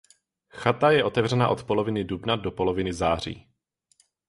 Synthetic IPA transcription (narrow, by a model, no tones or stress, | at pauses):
xat̪ajɛʔo̞t̪ɛvr̝ɛnaʔo̞t̪po̞lo̞vɪnɪdubnadopo̞lovɪnɪzaːr̝ḭː